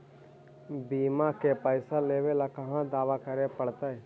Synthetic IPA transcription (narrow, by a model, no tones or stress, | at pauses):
biːmakepəɪsaleːwelakɐɦãd̪aːʋakəɾepəɽt̪aɦɛ